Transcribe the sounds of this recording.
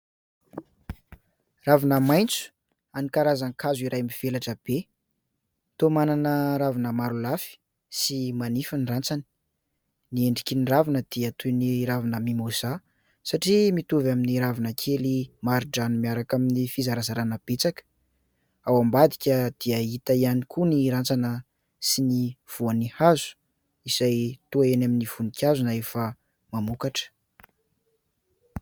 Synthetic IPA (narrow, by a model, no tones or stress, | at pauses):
ravinəmajnt͡su̥ | anikaɾazaŋkʰazuiɾajmiv̥elaʈ͡ʂəb̥e | t̪omananəɾavinəmaɾulafi̥ | simanifənrant͡sani̥ | nieɳɖ͡ʐikʲiniravinəd̪̥iət̪ʰuniɾavinəmimoza | saʈ͡ʂimit̪uvaminiɾavanəkʰelimaɾiɖ͡ʐanimiaɾakaminifizaɾazaɾanəb̥et͡sakə̥ | awambad̪i̥kʲəd̪̥iəit̪əianikʰuniɾant͡sanə | siniv̥uanihazu̥ | izajt̪uaenaminiv̥unikʲjazunaefə | mamukaʈ͡ʂə̥